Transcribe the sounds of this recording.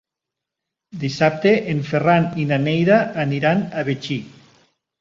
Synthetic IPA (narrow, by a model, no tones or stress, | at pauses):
d̪isap̚t̪eʔeɱferaninanejðaːniɾanaβet͡ʃi